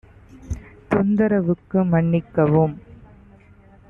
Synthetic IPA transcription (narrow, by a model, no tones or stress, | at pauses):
t̪ʊnd̪ɐɾɐʋɯkːɯmɐɳːɪkːɐʋɯm